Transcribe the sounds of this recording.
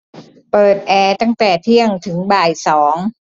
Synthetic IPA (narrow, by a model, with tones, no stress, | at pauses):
pɤː˨˩t̪̚ʔɛː˧t̪a˥˩ŋt̪ɛː˨˩t̪ʰi˥˩əŋt̪ʰɯ˩˦ŋbaː˨˩jsɔː˩˦ŋ